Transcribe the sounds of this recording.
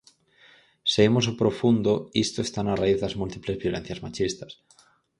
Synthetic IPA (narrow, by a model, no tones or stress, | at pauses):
seimosopɾofund̪oist̪oest̪anaraiððazmult̪iplezβjo̞len̟θjazmat͡ʃist̪ḁs